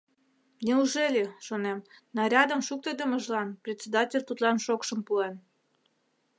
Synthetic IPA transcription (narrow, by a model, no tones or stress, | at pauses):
mnʲeuʒelʲeʃonemnɑɾʲɑd̪əmʃuk̚t̪ed̪əməʒlɑnprʲetʲt͡sʲed̪ɑtʲelʲt̪ut̪lɑnʃokʃəmpuen